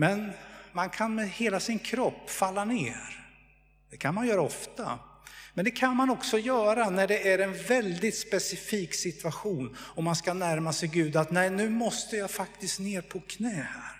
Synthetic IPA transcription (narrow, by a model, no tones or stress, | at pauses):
mɛnmankʰanmɛheːlasɪnkʰɾɔpːfalːaneːɾ | d̪ɛkʰanmanjœːɾaɔft̪a̰ | mɛnd̪ɛkʰanmanɔksɔjœːɾanæɖɛʔæɾɛnvɛld̪ɪt̪spɛsɪfiːksɪt̪vaɧuːnɔmːanskanæɾmasɛjɡʉ̟ːd̪at̪nɛjnʉ̟ːmɔst̪əjaːfak̚t̪ɪskneːɾpʰɔkʰnɛːhæːɾ